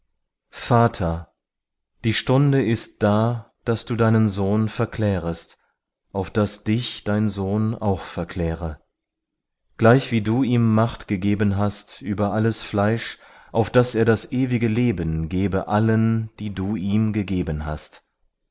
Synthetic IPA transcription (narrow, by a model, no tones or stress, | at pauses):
faːtʰɐ | d̥iːʃtʊndəɪst̚d̥aː | d̥asd̥uːdaɪnənzoːnfɛɐkl̥ɛːʁəst | ʔaʊfd̥asd̥ɪçd̥aɪnzoːna̰ʊxfɛɐkʰl̥ɛːʁə | ɡ̥laɪçv̥iːduːʔiːmːaχtɡ̥əɡeːbənɦastʔyːbɐʔaləsflaɪʃ | ʔaʊfd̥asʔeːɐdasʔeːvɪɡəleːbənɡeːbəʔalənd̥iːduːʔiːmɡəɡeːbənɦa̰st